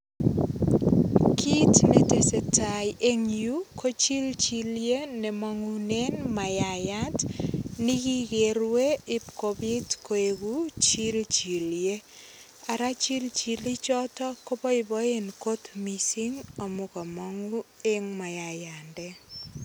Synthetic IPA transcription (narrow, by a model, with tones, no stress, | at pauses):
kʰi˦tne˦tese˨tajʔe˦ŋju˦kʰo˦t͡ʃi˦lt͡ʃi˦lje˦nɛ˨mɔŋu˦ne˦nma˨ja˨ja˦tnɪ˦ki˦ɡe˨ɾwe˦ɪ˦pko˨bi˦tko˨e˨ɡu˦t͡ʃi˦lt͡ʃi˨lje˦ | a˨ɾa˦t͡ʃi˦lt͡ʃi˨li˦t͡ʃɔ˦tɔ˦ko˦pɔ˦ɪ˨bɔ˦e˦nko˦t̪mi˨si˦ŋo˨mʊ˨kɔ˨mɔ˦ŋu˦e˦ŋma˨ja˨ja˨ndɛ˦